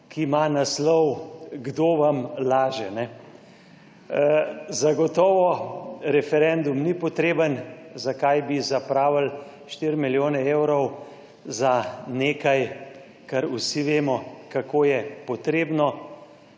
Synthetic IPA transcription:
kimanaslɔwɡd̪oːʋamlaːʒɛnɛ | zaɡɔt̪ɔːʋɔɾɛfɛɾɛnd̪umnipɔt̪ɾeːbənzakajbizapɾaːʋəl | ʃt̪iɾmiljoːnɛeːwɾɔw | zaneːkaj | kaɾusiʋeːmɔkakoːjɛpɔt̪ɾeːbnɔ

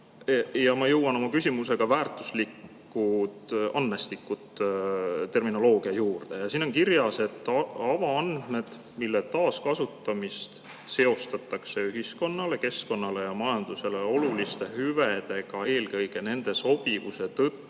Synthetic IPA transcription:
jɑmɑjɤwːɑno̞mɑkysʲimuse̞ɡ̥ɑvæːrt̪ːˑuslikː | ut̪ɑnːest̪ikːˑut̪ | t̪ːe̞rmino̞lo̞ːɡ̥iɑjuːrd̪̥e̞jɑsino̞nkiɾjɑse̞t̪ːˑɑɑvɑɑnd̪̥me̞d̪̥ | milːet̪ɑːskɑsut̪ːˑɑmist̪ | se̞o̞st̪ɑt̪ːˑɑkse̞yɦisko̞nːɑle̞ke̞sko̞nːɑle̞jɑmɑjɑnd̪̥use̞le̞o̞lulist̪e̞hyved̪e̞ɡ̥ɑe̞ːlkɤjɡe̞ne̞nd̪̥e̞so̞b̥ivuse̞t̪ɤt̪ˑːu

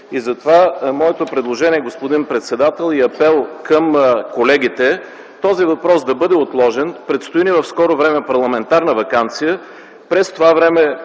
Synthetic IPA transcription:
izɐt̪ovamɔɛt̪opɾɛd̪lˠoʒɛniɛɡospod̪inpɾɛt̪sɛd̪at̪ɛlˠiɐpɛlˠkəmkolɛɡ̟ʲit̪ɛ | t̪ɔzivɐpɾɔsd̪ɐbɤd̪ɛot̪lˠɔʒɛnpɾɛt̪st̪oinivɐfskɔɾovɾɛmɛpɐɾlˠɐmɛnt̪aɾnəvɐkant̪sijə | pɾɛst̪ovavɾɛmɛ

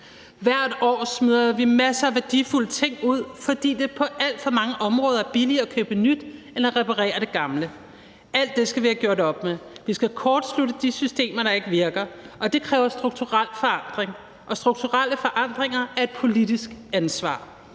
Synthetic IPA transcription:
ʋæɐ̰d̥ɒ̰ːsmyð̰ˠɐʋimæsəæʋæɐd̥iful̰ət͡sʰe̝ŋ̰uð̞̰ˠfɒ̽d̥ḭːd̥e̝pʰɒ̽ʔæl̰d̥fɒ̽mɑ̈ŋəʔɒ̽mʁɔ̽ːð̞ˠɐæɐb̥iliɐækʰøːb̥ənyd̥ | enæʁɛpʰɑʁɛ̰ːɐɾ̥e̝ɡ̥ɑ̈mlə | ʔæl̰d̥ːe̝sɡ̥æʋæːɐɡ̥joɐɾɒ̽b̥meʋisɡ̥ækʰɒːd̥sluɾəd̥isysd̥e̝̰ːmɐɾ̥ɑ̈e̝ɡ̥əʋiɐɡ̥ɐɒ̽d̥e̝kʰʁɛːʊɐsd̥ʁuɡ̥̚t͡sʰuʁal̰fɒ̽ɑ̈n̰d̥ʁeŋ | ʔɒ̽sd̥ʁuɡ̥̚t͡sʰuʁal̰əfɒ̽ʔɑ̈n̰d̥ʁeŋɐæɐe̝d̥̚pʰo̝lid̥isɡ̥ænsʋɑ̰̈ː

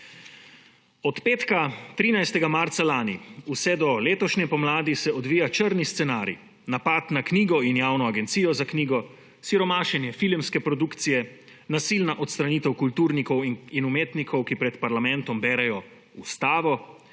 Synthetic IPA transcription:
ɔt̪peːt̪kat̪ɾiːnajst̪ɛɡamaɾt̪salaːnḭusɛd̪ɔleːt̪ɔʃnɛpɔmlaːd̪isɛɔd̪ʋiːjat͡ʃəɾnist̪sɛnaːɾḭ | napat̪nakniːɡɔinjaːwnɔaɡɛnt̪sijɔzakniːɡɔ | siɾɔmaːʃɛnjɛfilmskɛpɾɔd̪ukt̪sijɛ | nasiːlnaʔɔt̪st̪ɾaniːt̪ɛwkult̪uːɾnikɔwinumeːt̪nikʰɔwkipɾɛt̪paɾlamɛnt̪ɔmbɛːɾɛjɔ | ust̪aːʋɔ

